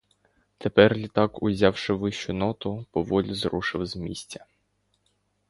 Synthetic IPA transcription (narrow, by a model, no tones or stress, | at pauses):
t̪epɛrlʲit̪ɑkʊzʲɑwʃɪʋɪʃt͡ʃʊnɔt̪ʊpɔʋɔlʲizɾuʃɪwzmʲḭsʲtʲɐ̥